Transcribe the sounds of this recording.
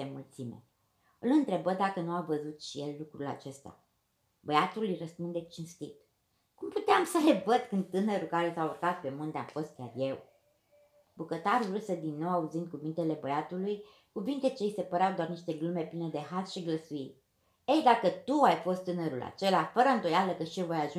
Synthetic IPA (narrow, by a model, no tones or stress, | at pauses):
emult̪simḛ | ɨlɨnt̪ɾe̞bəd̪akənuavəzut̪ʃije̞lːukɾula̰t͡ʃe̞st̪a̰ | bəjat̪ulɨjrəspund̪e̞t͡ʃinst̪it̪ | kumput̪eamsəle̞vəd̪kɨnd̪̚t̪ɨnəɾulkaɾesawurkat̪̚pe̞mund̪ea̰mfo̞st̪̚kʲarje̞w | bukət̪aɾuɾɨsəd̪inːo̞wauzind̪̚kuvint̪ele̞bəjat̪uluj | kuvint̪e̞t͡ʃe̞jse̞pəɾeawd̪oarniʃt̪e̞ɡlume̞pline̞d̪e̞ɦasʃiɡləsuitʲ | ejd̪akət̪uajfo̞st̪ːɨnəɾula̰t͡ʃe̞lafəɾəɨnd̪o̞jaləkəʃijevo̞jaʒu